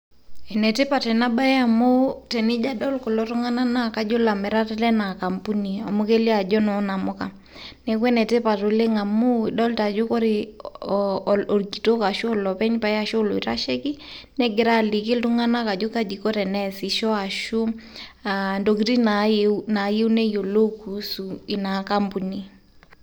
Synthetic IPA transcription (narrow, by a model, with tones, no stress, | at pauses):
ɛ˨nɛ˨te˦pa˨tɛ˨na˦ba˦ja˨mo˦tɛ˨nɪ˦d͡ʒa˦dɔ˦lko˨lɔ˦tʊ˦ŋa˦na˦na˦ka˦d͡ʒo˦la˨mɛ˨ɾa˦tɛ˦lɛ˦na˨ka˨mpu˦ni˨a˨mo˦ke˦li˦a˨d͡ʒɔ˦nɔ˨˦na˨mʊ˦ka˨ | nɛ˨kwɛ˦nɛ˨te˦pa˨to˨le˦ŋa˨mu˦˨dɔ˦lta˨d͡ʒo˦ko˦ɾɪ˦ | o˨ɾɡi˨to˦ka˨ʃo˦˨lɔ˨pɛ˦ɲpa˨ja˦ʃo˦lo̰˨i˨ta˦ʃɛ˦ki˦nɛ˦ɡɪ˨ɾa˦˨lɪ˨kɪ˦ltʊ˦ŋa˦na˦ka˨d͡ʒo˦ka˦d͡ʒi˨ko˦ɾɛ˨nɛ˦sɪ˨ʃɔ˦a˨ʃu˦ | ando˨ki˨ti˦na˨na˨je˦u˦nɛ˦jo˨lo˦ku˨su˨ɪ˨na˨ka˦mpu˨ni˨